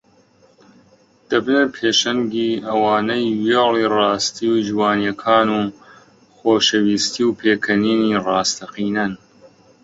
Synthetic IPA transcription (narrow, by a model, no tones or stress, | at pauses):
d̪̥ɐbnɐɾpʰeːʃɐŋɡiːʔɐwaːnɐjweliːrɑːst̪ʰiwd͡ʒwaːnjɐkʰaːnuː | xoːʃɐwiːst̪iːwpʰeːkʰɐniːniːrɑːst̪ʰɐqiːnɐn